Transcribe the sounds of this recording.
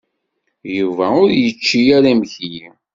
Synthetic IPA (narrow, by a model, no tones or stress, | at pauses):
juvæʊɾjət͡ʃːijæɾæmçji